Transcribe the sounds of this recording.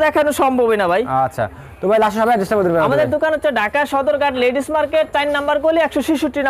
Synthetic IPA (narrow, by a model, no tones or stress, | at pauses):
d̪ɛkʰanuʃɔmbʱobenabʱajatːɕʰa̰ | t̪omajlaʃoʃɔbead͡ʑesʈabod̪iɾbɛamad̪eɾd̪okanot̪ːʰoɖʱakaɾʃɔd̪oɾɡaʈleɖismaɾkeʈ̚ʈajnːambaɾkoliɛkʃɔʃiʃuʈːin